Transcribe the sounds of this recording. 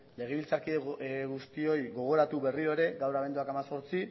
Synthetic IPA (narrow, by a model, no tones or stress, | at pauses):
le̞ɣ̞e̞β̞ilt͡sakieɣust̪io̞jɣo̞ɣ̞o̞ɾat̪uβe̞riɾo̞eɾe̞ɡawɾaβ̞e̞nd̪uakamaso̞ɾt͡si